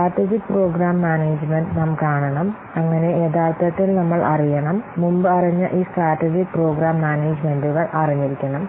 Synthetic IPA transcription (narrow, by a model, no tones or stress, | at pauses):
aːʈːed͡ʑikːpro̞ːɡɾaːmːaːneːd͡ʑmenɖnɐmkaːɳɐɳɐm | ɐŋːɐne̞eːðaːrt̪ɐt̪ːilnɐmːɐɭʔɐrijɐɳɐmːumbɨɐriɲːɨʔiːsʈraːʈːid͡ʑikpro̞ːɡɾaːmːaːneːd͡ʑmenduɣɐɭʔɐriɲːiɾikʲːɐɳɐm